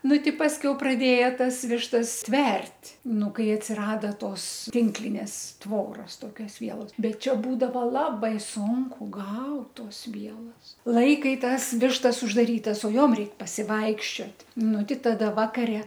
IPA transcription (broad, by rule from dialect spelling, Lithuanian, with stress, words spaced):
ˈnʊ ˈtʲɪ ˈpɑːsʲkʲɛʊ prɐˈdʲeːjɛ ˈtɐs ˈʋʲɪʃtɐs ˈtʲʋʲɛrʲtʲ ˈnʊ ˈkɐɪ ɐtʲsʲɪˈrɑːdɐ ˈtoːs ˈtʲɪŋklʲɪnʲeːs ˈtʋoːrɐs ˈtoːkʲoːs ˈʋʲiɛlˠoːs ˈbʲɛt ˈt͡ʃʲɛ ˈbuːdɐʋɐ ˈlˠɑːbɐɪ ˈsʊŋkʊ ˈɡɐʊt ˈtoːs ˈʋʲiɛlˠoːs ˈlˠɐɪkɐɪ ˈtɐs ˈʋʲɪʃtɐs ʊʒdɐˈrʲiːtɐs oː ˈjoːm ˈrʲɛɪk pɐsʲɪˈʋɐɪkʃʲt͡ʃʲoːtʲ ˈnʊ ˈtʲɪ ˈtɑːdɐ ˈʋɑːkɐrʲɛ